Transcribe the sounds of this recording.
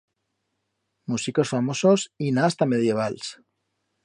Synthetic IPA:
musiko̞sfamo̞so̞sinast̪ame̞ð̞je̞β̞als

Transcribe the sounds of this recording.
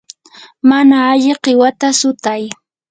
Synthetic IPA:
manaːʎɪqɪwat̪asʊt̪aj

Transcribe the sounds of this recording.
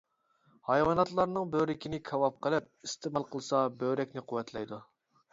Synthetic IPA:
hɑjwɑnɑt̪lˠɑɾnɨŋbøɾɪkʲʰinɪkʲʰɑwɑp̚qʰəlˠɪp̚ist̪ʰemɑlˠqʰəlˠsɑbøɾɛkʲnɪqʰʊwːɛt̪ʰlɛjd̪u

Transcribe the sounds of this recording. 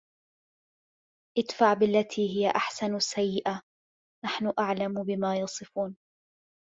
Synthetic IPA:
ʔɪt̪faʕbɪlːat̪ʰiːɦɪjaʔaħsanasːajːɪʔa | naħnʊʔaʕlambɪmaːjɑsˤɨfuːn

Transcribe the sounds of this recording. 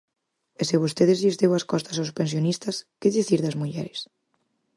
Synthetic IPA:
eseβust̪eðezʎezðewaskɔst̪asawspens̬jonist̪askeðiθiɾðazmuʎɛɾes

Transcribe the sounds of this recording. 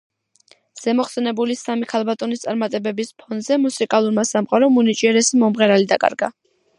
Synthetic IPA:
z̥ɛmɔχsɛnɛbulisamikʰalˠbat̪ʼɔnist̪sʼaɾmat̪ʼɛbɛbispʰɔnd̪zɛmusikʼalˠuɾmasamqʼaɾɔmunit͡ʃʼiɛɾɛsimɔmʁɛɾalid̪akʼa̰ɾɡa

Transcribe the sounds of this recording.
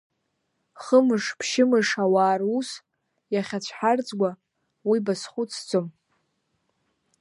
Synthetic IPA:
χəmɨʂpʰʃɪmɨʂawaːrus | jaχʲat͡ɕʷʰħard͡zʼɡʷa | wibasχʷut͡sʰd͡zʼom

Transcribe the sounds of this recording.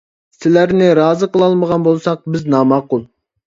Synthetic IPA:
sɪlæɾnɪɾɑːzəqəlˠɑlˠməʁɑnbolˠsɑq̚bɪznɑːmɑqʊlˠ

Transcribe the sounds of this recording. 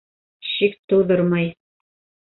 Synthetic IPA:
ʃikt̪ŏwðɤɾmɑj

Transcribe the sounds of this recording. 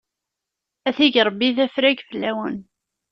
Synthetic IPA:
æθiʝɾˤəbːiθæfɾæɡfəlːæwən

